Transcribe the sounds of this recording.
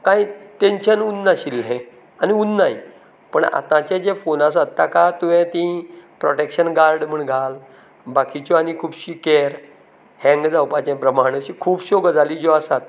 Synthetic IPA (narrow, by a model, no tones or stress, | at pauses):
kãjt̪eɲɕənunːaɕilɦẽ | aniunːai | pəɳa̰t̪ãt͡ɕɛ̃d͡ʑɛfonas̬at̪ːakat̪uʋɛ̃t̪ĩpɾɔʈekɕənɡaɾɖm̤əɳɡʱal | bakʰit͡ɕɔanikʰuːbɕikɛɾ | hɛ̃ŋɡd͡zawpat͡ɕɛ̃pɾəmaɽ̃ət͡ɕikʰuːbɕoɡd͡zaliːd͡ʑɔasat̪